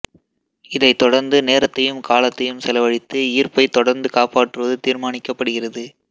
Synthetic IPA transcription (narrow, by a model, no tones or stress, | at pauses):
ɪðɐɪt̪ːɔɽɐɾnd̪ɯneːɾɐt̪ːɐjɯmkaːlɐt̪ːɐjɯmsɛlɐʋɐɻɪt̪ːɯɪːrpɐɪt̪ːɔɽɐɾnd̪ɯkaːpaːʈːrɯʋɐðɯt̪iːɾmaːnɪkːɐpːɐɽɯɣɪrɐðɯ